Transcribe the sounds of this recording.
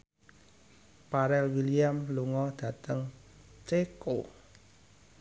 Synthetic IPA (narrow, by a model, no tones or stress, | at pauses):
paɾɛlwiliamluŋɔd̪̥ä̤t̪əŋt͡ʃeko